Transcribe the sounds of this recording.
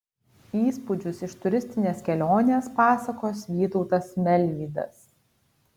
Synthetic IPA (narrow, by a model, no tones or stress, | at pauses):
iːspʊd͡ʒʲʊsɪʃt̪ʊɾʲɪsʲt̪ʲɪnʲeːskʲɛlʲoːnʲeːspɑːsɐkoːsʋʲiːt̪ɔʊt̪ɐsmʲɛlʲʋʲiːd̪ɐ̰s